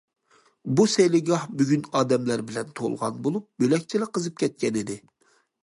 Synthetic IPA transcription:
busɛjlɪɡʲɑhbyɡʲynɑːd̪ɛmlæɾbɪlɛnt̪ʰo̰lˠʁɑ̰nbolˠup̚bølɛk̚ʲt͡ʃʰilɪqəzɨp̚kʲʰɛt̪̚kʲʰɛnɪd̪ɪ

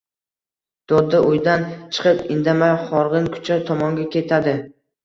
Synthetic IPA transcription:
d̪̥ɒd̪ːaʔʊjd̪ant͡ʃʰɨ̥qʰɨpɪnd̪amajχɒɾʁɨnkʰʊ̥t͡ʃʰat̪ʰɒmɒŋɡʲakʲe̞t̪ʰad̪ɪ

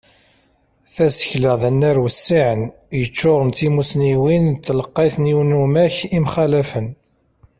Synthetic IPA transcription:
θæsə̥çləðænːæɾwəsːiʕən | jət͡ʃːʊʁənt̪imusniwint̪ːləqːeθniwnumæçimχælæfən

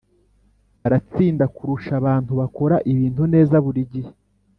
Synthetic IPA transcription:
aɾat͡siːndakuɾuʃaβaːntuβako̞ɾaʔiβiːntune̞ːzaβuɾiɟi

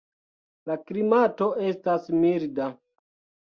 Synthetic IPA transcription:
laklimato̞ʔe̞stasmilda

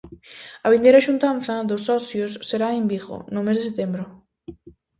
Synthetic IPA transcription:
ɐβind̪ejɾaʃunt̪anθɐðosːɔθjosːeɾaembiɣo̰nomezðeset̪embɾo

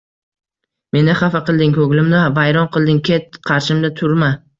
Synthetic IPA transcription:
me̞nɪχɑfaqɨlˠd̪ɪŋkʰɵɡlɪmnɪvajɾɒnqɨlˠd̪ɪŋkʲʰe̞t̪qʰɑɾʃɪmd̪at̪ʰʊɾma

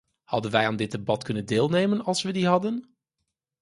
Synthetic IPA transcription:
hɑ̰dənʋɛjaːndɪd̚debɑtkɵnəndɪːlˠnejmənɑlˠsʋədiɦɑdən

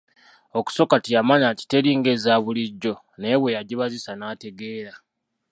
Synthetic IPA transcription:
o̞ku̥so̞katijamaɲaci̥te̞ɾiŋɡe̞zaːβuliɟːo̞ | ne̞βwe̞jaɟiβazisanaːte̞ɡe̞ːɾa

